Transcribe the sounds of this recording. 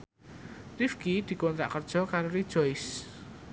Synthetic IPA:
ifkid̪̥i̤kɔnt̪ɾa̰ʔkərd̥ʒ̥ɔ̤kaɾoɾid̥ʒ̥ɔjs

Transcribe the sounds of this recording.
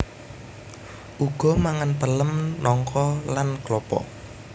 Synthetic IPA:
ʔuɡ̥ɔ̤maŋanpələmnɔŋkʰɔlanklɔpɔ̰

